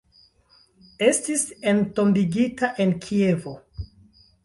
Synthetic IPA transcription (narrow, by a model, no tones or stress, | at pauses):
e̞stisento̞mbiɡitaʔe̞nkʰie̞vo